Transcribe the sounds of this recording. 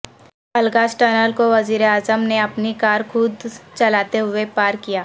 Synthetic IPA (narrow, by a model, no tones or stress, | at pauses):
pɐlɡasʈəːnəlkoʋɐziːɾeaːzəmneɐpnikaːɾkʰʊd̪t͡ʃɐlaːt̪eɦʊepaːɾkijaː